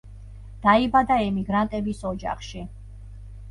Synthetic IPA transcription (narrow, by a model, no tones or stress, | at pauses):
d̪̥aibad̪aɛmiɡɾant̪ʼɛbisɔd͡ʒa̰χʃi